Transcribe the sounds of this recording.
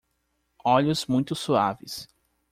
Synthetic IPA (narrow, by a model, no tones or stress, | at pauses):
ɔʎʊzmũj̃t̪ʊsuavɪs